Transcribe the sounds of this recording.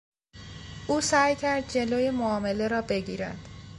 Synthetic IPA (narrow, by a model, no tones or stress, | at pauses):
ʔuːsæːjcʰæɾd̪̚d͡ʒe̞loːjemoɒːme̞le̞ɾɒːbe̞ɡiːɾæ̰nd̪̥